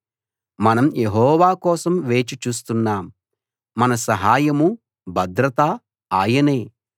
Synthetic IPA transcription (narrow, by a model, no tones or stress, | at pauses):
mɐnɐmje̞ɦɔːʋaːkɔːsɐmʋe̞ːt͡ʃit͡ʃuːst̪unːaːmː | ɐnɐsɐɦaːjɐmu | bʱɐd̪ɾɐt̪aː | aːjɐne̞ː